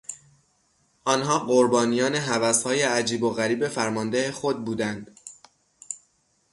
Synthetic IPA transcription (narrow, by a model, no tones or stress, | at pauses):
ʔɒnɦɒːɢoɾbɒːnijɒːneɦævæshɒːjeæd͡ʒiːbo̞ɣæɾiːbe̞fæɾmɒnd̪ehexo̞d̪̚buːd̪ænd̪̥